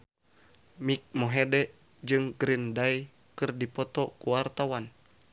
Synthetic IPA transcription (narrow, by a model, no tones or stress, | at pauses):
mik̚moɦedɛʔ | d͡ʒɨŋɡɾindai | kɨrdipɔt̪ɔkuwart̪awan